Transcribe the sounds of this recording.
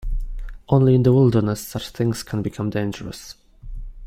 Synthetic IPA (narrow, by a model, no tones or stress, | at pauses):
ʔõʊ̃nliɪ̃nðəwɪlˠdə˞nəsːʌt͡ʃθɪ̃ŋz̥kʰə̃nbɨkʰʌ̃mdẽɪ̃nd͡ʒəɹə̰s